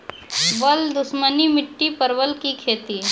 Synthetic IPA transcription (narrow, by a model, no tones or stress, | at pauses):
bəld̪ʊʃmənimɪʈːipəɾʋəlkikʰeːt̪i